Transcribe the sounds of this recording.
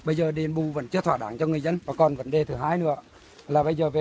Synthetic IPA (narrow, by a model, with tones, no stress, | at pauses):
ɓə˧jzəː˨˩ɗe˨˩nɓu˨˩və̰˧˩˦nt͡ɕɨ˧ət̪ʰwaː˧˩ɗaː˧˦ŋt͡ɕɔ˧ŋɨ˨˩əjzə˧nvaː˨˩kɔ˨˩nvə̰˨˧˦nɗe˨˩t̪ʰɨ˨˩ɦaː˧jnɨ̰˧˥ə | laː˨˩ɓə˧jzəː˨˩ve˨